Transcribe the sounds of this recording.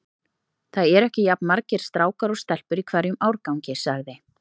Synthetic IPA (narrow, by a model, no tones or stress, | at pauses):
θaðɛɾɛhcɪjapnmaɾcɪɾ̥st̪ɾaːwkaɾɔst̪ɛl̥pʏɾikʰvɛɾjʏmawɾkawɲcɪsaɣðɪ